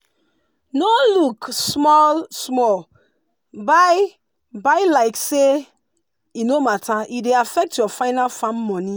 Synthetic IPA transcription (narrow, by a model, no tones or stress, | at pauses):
noluksmɔlsmɔl | baj | baɪlaɪkse | inomataideafɛk̚tjɔfaɪnalfãmːɔ̃ni